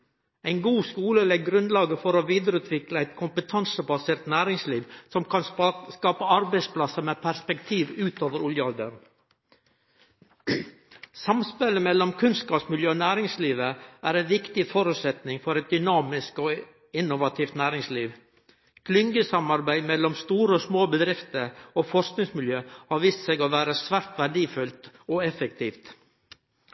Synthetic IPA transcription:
æɪnɡuːskuːləlɛɡɾʉnd̪lɑːɡəfɔɾoʋiːd̪əɾʉːt̪ʰʋɪkləæɪt̪kʰʊmpət̪ʰɑnsəbɑseːɾt̪næːɾɪŋsliːʋsɔmkʰɑnskɑːpəɑɾbæɪspʰlɑsəmɛpʰæɾspɛkt̪ʰiːʋʉːt̪oːʋəɾʊljəɑld̪ə̰ɾn | sɑmspɛləmɛlːɔmkʰʉnskɑːpsmɪljøːonæːɾɪŋsliːʋəʔæːɾɛnʋɪkt̪ɪfɔɾʉt̪sɛt̪nɪŋfɔɾɛt̪̚d̪ʏnɑːmɪskoː | ɪnʊʋɑt̪ʰiːft̪næːɾɪŋsliːʋ | kʰlʏŋɡəsɑmɑɾbæɪmɛlːɔmst̪uːɾəɔsmoːbəd̪ɾɪft̪əɾoːfɔʂsknɪŋsmɪljøːhɑɾʋiːst̪sɛɡoːʋæːɾəsʋæɾt̪ʋæɖiːfʉlt̪ɔɛfəkt̪ʰiːft̪

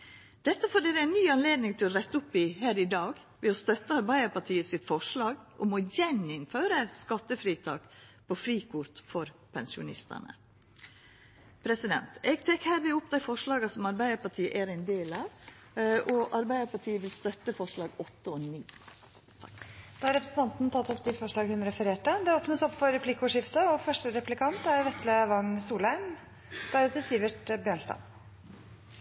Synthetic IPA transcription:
d̪̥ɛt̪ːəfɔɖeːɾəæɪnnːyːɑnleːd̪nɪŋt̪ʰɪlɔɾɛt̪ːəʊpːɪhæːɾɪd̪ɑːɡ | ʋɛɔst̪œt̪ːəɑɾbæɪəpɑʈʰiːəsɪt̪fɔʂlɑːɡʔɔmɔjɛnɪnføːɾəskɑt̪ːəfɾiːt̪ʰɑ̰ːkpʰɔfɾiːkʰʊɾt̪fɔɾpʰɛnsɪʊ̰nɪ̰st̪ə̰nə̰ | pʰɾɛsɪd̪ɛ̰nt̪ɛɡt̪ʰɛkːhæːɾʋɪʊpd̪æɪfɔʂlɑːɡɑsɔmɑɾbæɪəɾpɑʈʰiːəʔæɾɛɪnd̪eːlɑːʋ | ʔɔʔɑɾbæɪəpɑʈʰiːəʋɪlst̪œt̪ːəfɔʂlɑːɡɔt̪ːəɔniː | d̪̥ɑːhɑɾɛpɾəsn̩t̪ʰɑnt̪nt̪ʰɑt̪ːɔp̚d̪ɪfɔʂlɑːɡhʉnɾɛfəɾeːʈəd̪ɛoːpnəsɔpːfɔɾɛpʰlɪkːʊʂɪft̪əɔfœʂʈəɾɛplɪkʰɑnt̪æɾʋɛt̪ləʋɑŋsuːlhæɪm | d̪̥ɛd̪əsiːʋəʈbjøːɳst̪ɑ̰n

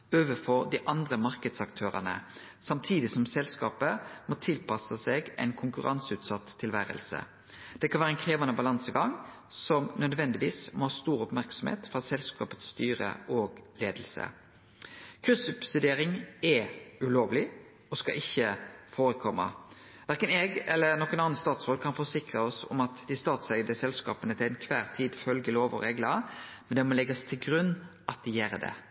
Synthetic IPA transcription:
øːʋəfɔʁd̪iːʔɑnd̪ʁəmɑʁkəd̪sɑkt̪ʰøːʁənə̰ | sɑmt̪ʰiːd̪ɪsɔmsɛlskɑ̰ːpəmɔt̪ʰɪlpɑsəseɡɛ̰ɪnkʰʊŋkʉʁɑnsʉːt̪sɑt̪ʰːɪlʋæːɾə̰lsə̰ | d̪̥ɛkʰɑnʋæːʁəɛnkʰʁeːʋɑnəbɑlɑnsəɡɑŋ | sɔmnœd̪ʋɛnd̪ɪʋiːsmɔhɑːst̪uːʁʊpmæʁksɔmhḛːt̪fʁɑsɛlskɑ̰ːpət̪st̪yːʁə̰ʔoːɡleːd̪l̩sə̰ | kʰʉsʉpsɪd̪eːɾɪŋɛʉloːʋlɪ | ɔskɑʔɪçːəfoːɾəkʰɔmːə̰ʋæɾkənɛːɡɛlːənɔkːənɑnst̪ɑːt̪sʁoːd̪̚kʰɑnfɔsɪkʁəɔsɔ̰mɑt̪d̪ɪst̪ɑːt̪sɛɡd̪əsɛlskɑ̰ːpənət̪ʰɪlæɪnkʰʋæːʁt̪ʰiːd̪fœlɡəloːʋɔ̰ʁeːɡlɑmɛnd̪ɛmɔlɛɡɑst̪ʰɪlɡɾʉnːʔɑt̪̚d̪ɪjæːɾəd̪ɛ̰

